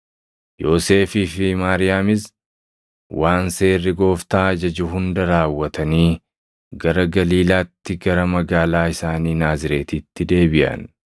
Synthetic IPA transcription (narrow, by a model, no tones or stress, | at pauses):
jo̞ːse̞ːfiːfɪmaːɾɪjaːmɪs | waːnse̞ːrːɪɡo̞ːft̪aːɐd͡ʒɐd͡ʒʊɦʊnd̪ɐɾaːwːɐt̪ɐniː | ɡɐɾɐɡɐliːlaːt̪ːɪɡɐɾɐmɐɡaːlaːɪsaːniːnaːzɪɾe̞ːt̪iːt̪ːɪd̪e̞ːbɪʔɐ̰n